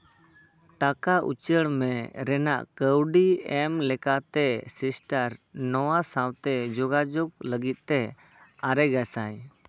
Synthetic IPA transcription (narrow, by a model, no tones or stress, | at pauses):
ʈakaʔṵt͡ʃəɽmɛɾɛna̰ʔkəwɖiɛmlɛkat̪ɛsisʈaɾnɔwasawt̪ɛd͡ʒɔɡad͡ʒɔɡləɡit̪̚ˀt̪ɛ | aɾɛɡasaj